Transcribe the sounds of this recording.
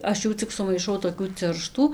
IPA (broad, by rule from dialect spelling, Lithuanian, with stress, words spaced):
ˈɐʃ ˈjuː t͡sʲɪk sʊmɐɪˈʃɐʊ toːˈkʲuː ˈt͡sʲɪrʃtuː